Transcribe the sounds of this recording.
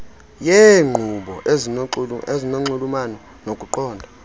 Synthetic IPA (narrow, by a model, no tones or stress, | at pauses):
jeŋ͡ǃʱuɓɔʔeziezinoŋ͡ǀulumanɔ | nokʼuǃɔːndʱa